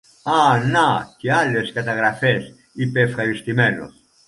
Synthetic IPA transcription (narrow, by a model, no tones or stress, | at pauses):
ɐnɐceɐle̞skɐt̪ɐɣɾɐfes | ipeːfxɐɾist̪ime̞no̰s